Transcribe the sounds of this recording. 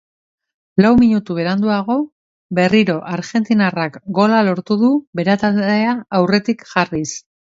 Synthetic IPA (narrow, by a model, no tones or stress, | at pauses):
lawmiɲut̪uβ̞e̞ɾand̪uaɣo̞ | be̞riɾo̞ʔaɾʝe̞nt̪inarakɡo̞lalo̞ɾt̪uðube̞ɾat̪ald̪e̞aawre̞t̪ikʝaris